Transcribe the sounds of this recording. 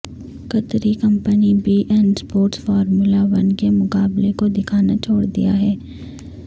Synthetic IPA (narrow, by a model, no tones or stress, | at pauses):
kɐt̪ɾikɐ̃mpənibiʔɛːnɖspoːɾʈsfɔːɾmulaʋɐnkemʊkaːblekod̪ɪkʰaːnat͡ʃʰoːɽd̪ḭja̰ɦɛː